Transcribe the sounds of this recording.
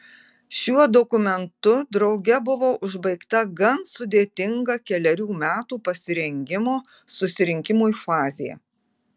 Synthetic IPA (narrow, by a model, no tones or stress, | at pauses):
ʃʲuɔd̪ɔkʊmʲɛnt̪ʊd̪ɾɒʊɡʲɛbʊʋoːʔʊʒbɐɪkt̪ɐɡɐnsʊd̪ʲeːt̪ʲɪŋɡɐkʲɛlʲɛɾʲuːmʲæːt̪uːpɐsʲɪɾʲɛŋʲɡʲɪmoː | sʊsʲɪɾʲɪŋʲkʲɪmuːifɑːzʲɪjɛ̰